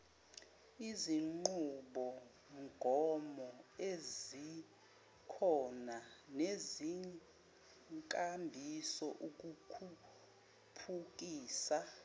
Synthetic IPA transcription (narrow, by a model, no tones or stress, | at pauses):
iziŋ͡ǃuɓɔ | ŋɡʱɔmɔezi | kʰɔnanezi | kʼambʱisɔʔuk̬ʼukʰu | pʰuk̬ʼiːsa